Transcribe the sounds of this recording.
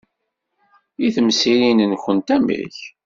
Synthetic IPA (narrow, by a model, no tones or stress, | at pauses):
jiθmsiɾinənçənt̪æmḭç